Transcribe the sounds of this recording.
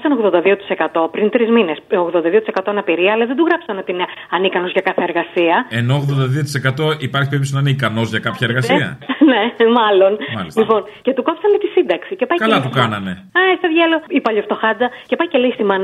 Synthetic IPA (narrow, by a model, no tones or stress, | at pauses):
sɐnoɣðo̞nd̪ɐðio̞t̪i̥se̞kɐt̪o̞pɾint̪ɾizmine̞soɣðo̞nd̪ɐðiot̪ise̞kɐt̪o̞ɐnɐpiɾiɐɐlɐðed̪uɣɾɐpsɐnot̪ineɐnikɐno̞zʝɐkɐθeeɾɣɐsiɐeno̞ːɣðond̪ɐðio̞t̪ise̞kɐt̪o̞ipɐɾçipeɾips̬nɐnikɐno̞zʝɐkɐpçɐeɾɣɐs̬iɐ̰ne̞mɐlo̞nmɐ̰slipo̞nce̞t̪ukopsɐnmet̪isind̪ɐksice̞pɐjkɐlɐp̪ukɐnɐme | ɐst̪ɐðʝɐloipɐʎoft̪o̞xɐd͡zɐce̞pɐjcelist̪imɐn